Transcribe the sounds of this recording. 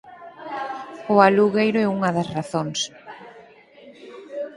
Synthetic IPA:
ʊaluɣejɾʊɛuŋɐðɐsraθoŋs

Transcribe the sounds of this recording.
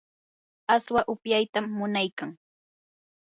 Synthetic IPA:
aswaʔʊpjajt̪amːʊnajkaŋ

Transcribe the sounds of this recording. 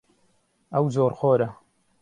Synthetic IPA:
ɐwzoːɾxoːɾɐ

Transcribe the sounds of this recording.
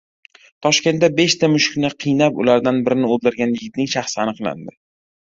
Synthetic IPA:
t̪ʰɒʃkʲe̞nt̪dabe̞ʃt̪amʊʃkʲnɪqʰɨjnapʊ̰laɾd̪anbɪɾɪnɪold̪ɪɾɡʲanjɪɡʲɪt̪nɪŋʃaχsɪanɨqlˠa̰nd̪ɪ

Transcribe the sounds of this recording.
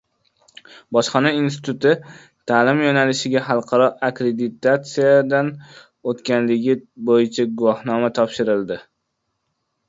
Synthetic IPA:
bɒʃqɑnainst̪ɪ̥t̪ʊt̪ɪ | t̪ʰaːlɪmjɒnalɪʃɪɡʲaɦɑlˠqʰɑɾɒʔakʲɾe̞d̪ɪt̪ʰat̪sijad̪an | ot̪kʲanlɪɡʲɪbojɪt͡ʃʰaɡʊwɒhnɒmat̪ʰɒpʃɪɾɪlˠd̪ɪ

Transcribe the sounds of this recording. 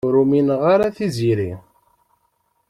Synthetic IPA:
ɾuminʁaɾaθiziɾi

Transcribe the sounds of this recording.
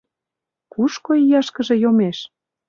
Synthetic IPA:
kuʃkoijɑʃkə̆ʒĕjomeʃ

